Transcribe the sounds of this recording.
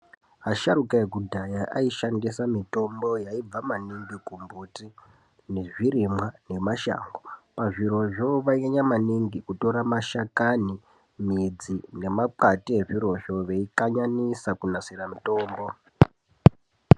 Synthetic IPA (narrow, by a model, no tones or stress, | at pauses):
aʃaɾukaeɡudʱajaʔaiʃandisamito̞mbo̞jaib͡vamaniŋɡikumbuti | neʐirimwane̞maʃa̰ːŋɡopaʐiɾo̞ʐo̞ʋaeɲamaniŋɡikuto̞ɾamaʃakani | mid͡zine̞mapatie̞ʐiɾo̞ʒo̞ʋe̞ikaɲanisakunasiramito̞ːmbo̞